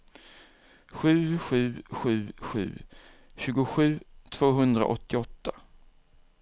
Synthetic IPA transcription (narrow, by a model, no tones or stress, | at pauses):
ɧʉ̟ːɧʉ̟ːɧʉ̟ːɧʉ̟̰ː | ɕʉ̟ːɡʊɧʉ̟ːt̪ʰv̥oːɦɵnd̪ɾa̰ʔɔt̪ːɪɔt̪ːa